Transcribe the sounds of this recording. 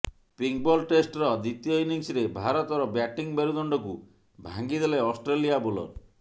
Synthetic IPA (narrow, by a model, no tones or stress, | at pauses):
piŋ̚bɔlʈesʈɾɔd̪it̪ijɔiniŋsɾebʱaɾɔt̪ɔɾɔbjaʈiŋbeɾud̪ɔɳɖɔku | bʱaŋɡid̪eleɔsʈɾelijabolɔ̰ɾ